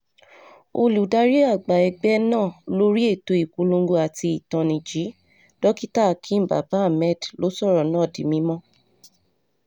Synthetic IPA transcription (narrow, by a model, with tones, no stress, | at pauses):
o˧lu˨da˧ɾi˦a˦˨ɡ͡ba˨ɛ˧ɡ͡bɛ˦nãː˦˨lo˦ɾi˦e˦˨to˧˦i˨ku˨˧˦lõ˧ɡo˧a˨ti˧i˨tã˨nĩ˨d͡ʒi˨˦ | d̥ɔ˦ki˦ta˦˨kʰĩ˦m̩˨ba̰˨ba˨˦a˦˨mɛ˦˨dlo˨˦sɔ˦˨ɾɔ˨nãː˨˦˨di˨mĩ˧˦mɔ̃˦